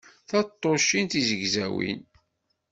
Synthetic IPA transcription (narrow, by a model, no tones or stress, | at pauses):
θɑt̪ˤːoʃint̪izəʝzæwḭn